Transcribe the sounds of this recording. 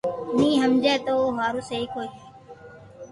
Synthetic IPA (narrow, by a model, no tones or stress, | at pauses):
nĩːɦəmd͡ʒɛːt̪oːoːɦaːɾuːseːiːkoːieː